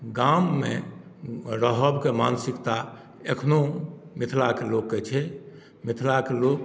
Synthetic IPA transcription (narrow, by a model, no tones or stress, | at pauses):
ɡamːḛ | ɾəɦəbkemansikt̪a | ekʰnomit̪ʰlakelokːet͡ʃʰɛ | mit̪ʰlakelok